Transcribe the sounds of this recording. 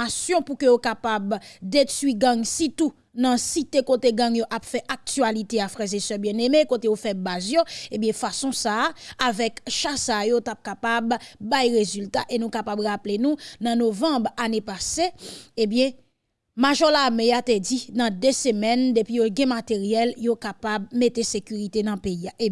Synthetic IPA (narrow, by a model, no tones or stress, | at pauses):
asjɔ̃pukøjokapabd̪etɥiɡãŋsit̪u | nɐ̃sit̪ekoteɡɐ̃ŋjoʔapfɛʔak̚tyalit̪eafʁɛzesœbjɛ̃nemekotejofɛbazjoebjɛ̃fasɔ̃saːvɛkʃasajotap̚kapabːajʁezyltaʔenũkapabʁaplenũnɐ̃novɐ̃bʁanepaseebjɛ̃ | maʒɔlamejat̪ed͡zinɐ̃d̪øsəmɛnd̪epɥijoɡɛ̃mat̪eʁjɛljokapabmet̪esekyʁit̪enɐ̃peiaʔe